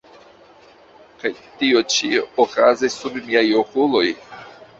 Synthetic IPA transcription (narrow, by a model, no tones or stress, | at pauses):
kajtiot͡ʃiokazisːubmiajokulo̞j